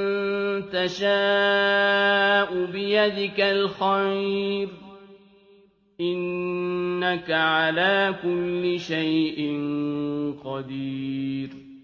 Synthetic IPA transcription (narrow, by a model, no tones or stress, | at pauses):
nt̪aʃaː | ʔʊbɪjad̪ɪkalxajɾ | ʔɪnː | akaʕalaːkʊlːɪʃajʔɪn | qɑd̪iːɾ